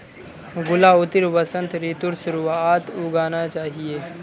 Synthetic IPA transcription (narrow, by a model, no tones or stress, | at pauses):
ɡʊlaʊt̪ɪɾʋəsə̃nt̪ɾiːt̪ʊɾsʊɾuaːt̪ʊɡaːnat͡ʃaːɦieː